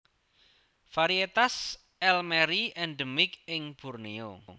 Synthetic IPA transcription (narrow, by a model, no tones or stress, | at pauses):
faɾiet̪as | ɛlmɛɾiʔɛnɖəmɪkɪŋb̥ṳrnio